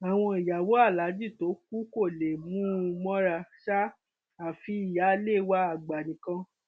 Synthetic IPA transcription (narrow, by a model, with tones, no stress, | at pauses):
a˨w̃ɔ̃˧i˨ja˨wo˨˦a˦˨la˨˦d͡ʒi˦˨to˨˦k̚u˦ko˦˨le˨mũ˦˧mɔ̃˦ɾa˧ʃa˦ | a˨fi˧i˨ja˨˦le˦˨wa˧˦a˨ɡ͡ba˨nĩ˨kã˧